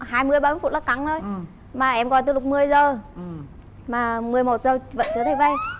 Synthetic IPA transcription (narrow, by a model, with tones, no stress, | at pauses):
haː˧jmɨ˧əjɓaː˧˦˩fu˧˨ləː˨˩ka˨˦ŋzo˧j | maː˨˩ʔɛ˧mkɔ˧˩jt̪ɨː˨˧˦lʊ˨˩k͡p̚mɨ˨˧˩əjzəː˨˩ | maː˨˩mɨ˨˩əjmo˨˩t̚zəː˨˩və̰˧˨nt͡ɕ̪ʰɨ˨˦t̪ʰə˧˩jvə˧˩j